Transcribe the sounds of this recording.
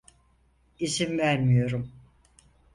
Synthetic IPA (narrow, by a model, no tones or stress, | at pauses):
izimvæɾmijo̞ɾum